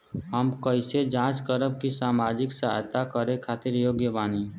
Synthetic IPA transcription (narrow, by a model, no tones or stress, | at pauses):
ɦəmkəɪsed͡ʒãːt͡ʃkəɾəbkisaːmaːd͡ʒɪksaɦjt̪akəɾekʰaːt̪ɪɾjoːɡjəbaːni